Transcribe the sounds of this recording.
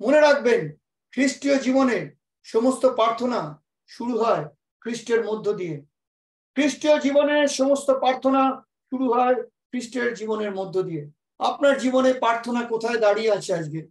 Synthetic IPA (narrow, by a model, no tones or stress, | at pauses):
moneɾak̚ben | kʰɾiʃʈiod͡ʑiboneɾ | ʃɔmost̪opɾaɾt̪ʰona | ʃuɽuɦɔe | kʰɾisʈeɾmod̪ʱːod̪ije | kʰɾiʃʈijod͡ʑiboneɾʃɔmost̪opɾaɾt̪ʰona | ʃuɽuɦɔe | kʰɾisʈeɾd͡ʑiboneɾmod̪ʱːod̪ije | a̰p̚naɾd͡ʑibonepɾaɾt̪ʰonakot̪ʰaed̪aɽieat͡ɕʰead͡ʑɡe